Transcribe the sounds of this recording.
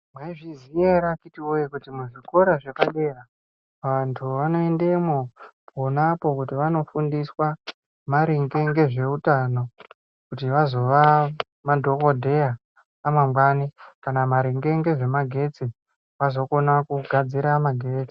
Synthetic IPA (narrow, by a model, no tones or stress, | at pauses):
mwaiʐizieɾakitiwojekutimuʐiko̞ɾaʐekaɗera | ʋantʰuʋanoe̞nde̞mopʰo̞napo̞kutiʋano̞fundiswa | maɾiŋɡe̞ŋɡe̞ʐe̞utano̞ | kutiʋazo̞ʋa | madʱo̞kodʱe̞aː | mamɡwanikanamaɾiŋɡe̞ŋɡe̞ʐe̞maɡʱe̞t͡si | ʋazo̞ko̞nakuɡʱad͡ziɾamaɡʱe̞ːt͡si̥